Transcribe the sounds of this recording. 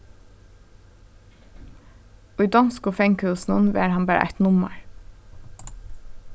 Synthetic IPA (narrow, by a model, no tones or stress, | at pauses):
oːiːd̪ɑnskoːfɛŋkʉːsn̩ənʋḛːɾhɑnbæːɾə̰ʔæ̰t̪nʊmə̰ɹ